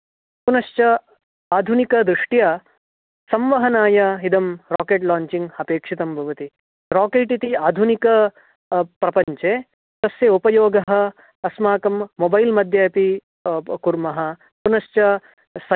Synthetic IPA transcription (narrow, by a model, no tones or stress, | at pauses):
punɐʃt͡ʃɐ | aːd̪ʱunikɐd̪ɾuʂʈjɐ | sɐmʋɐɦɐnaːjɐɦid̪ʱɐmɾaːkeːʈlaːɲt͡ʃiŋɡɐpeːkʂit̪ɐmbʱɐʋɐt̪i | ɾaːkeːʈit̪iaːd̪ʱunikɐ | pɾɐpɐɲt͡ʃeː | t̪ɐsjɐupɐjoːɡɐɦɐ̆ː | smaːkɐmːobɐjlmɐd̪ʱjɐjɐpi | kuɾmɐɦɐ | punɐʃt͡ʃɐ | sɐ